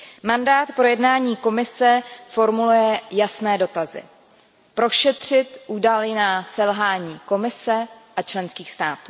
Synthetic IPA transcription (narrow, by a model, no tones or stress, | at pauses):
mandaːt̪pɾo̞jɛdnaːɲiːko̞mɪsɛfo̞ɾmulujɛjasnɛːdo̞t̪azɪ̰ | pɾo̞ʃɛt̪r̝̥ɪt̪ʔuːdalɪnasɛlɦaːɲiːko̞mɪsɛʔat͡ʃlɛnskiːxst̪aːt̪uː